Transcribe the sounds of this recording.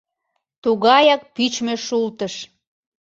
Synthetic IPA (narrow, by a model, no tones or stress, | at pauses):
t̪uɣɑjɑk̚pyt͡ɕmeʃult̪əʃ